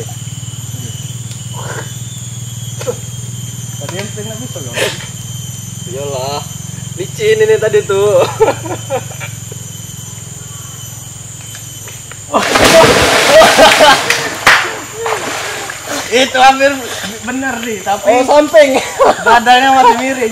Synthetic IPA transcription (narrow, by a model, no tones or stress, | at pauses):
t̪adianpiŋabit̪əno | ijalahlit͡ʃiːninit̪adit̪u | it̪uɦampɪrbənərdit̪apisampɪŋbadaɲawat̪imiɾi